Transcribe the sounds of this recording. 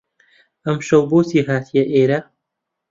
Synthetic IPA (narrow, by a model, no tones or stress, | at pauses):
ʔɐmʃɐwboːsiːɦaːt̪ʰijɐʔeːɾɐ